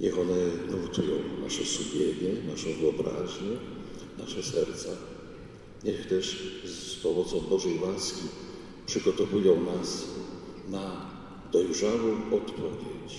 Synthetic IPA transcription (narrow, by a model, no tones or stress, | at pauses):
ɲɛxɔnɛnuut̪ujɔ̃w̃na̰ʂɛsubʲjeɲɛnaʂɔ̃w̃vɨɔbɾa̰ʑɲɛ | na̰ʂɛsɛɾt̪sa | ɲɛxt̪ɛʂspɔmɔt̪sɔ̃w̃bɔʐɛjwaskʲi | pʂɨɡɔt̪ɔvujɔ̃w̃nas | na | d̪̥ɔjʐawɔ̃w̃ɔt̪pʰɔvʲjet͡ɕ